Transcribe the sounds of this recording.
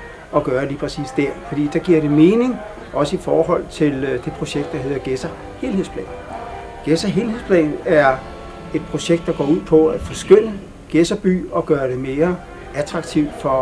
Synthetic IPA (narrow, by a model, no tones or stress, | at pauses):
ɒ̽ɡ̥ɶːɐliːpʰʁɛsḭːsd̥æɐfɒd̥ḭːd̥ɑ̈ɡ̥iɐɾ̥e̝me̝ːne̝ŋ | ʔɒ̽səifɒːhɒ̽l̰t͡sʰe̝ld̥e̝pʰʁo̝ɕeɡ̥̚d̥ɑ̈he̝ð̰ˠɐɡ̥esɐ | heːlhḛspʰlɛ̰ːn | ɡ̥esɐɦe̝ːlhe̝ðˠspʰlɛ̰ːnæɐ | e̝d̥pʰʁo̝ɕeɡ̥̚d̥ɑ̈ɡ̥ɒ̰ːuð̰ˠpʰɒ̽æ̥fɒ̽sɡ̥øn̰ə | ɡ̥esɐb̥y̰ːɒ̽ɡ̥ɶːɐɾ̥e̝me̝ːɐ | æt͡sʰʁɑ̈ɡ̥̚t͡sʰiʊ̰d̥fɒ̽